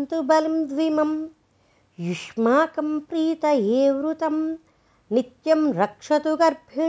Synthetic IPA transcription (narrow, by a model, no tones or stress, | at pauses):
nt̪ubɐlɐmd̪ʋimɐm | juʂmaːkɐmpɾiːt̪ɐeːʋɾut̪ɐm | nit̪jɐmɾɐkʂɐt̪uɡɐɾbʱi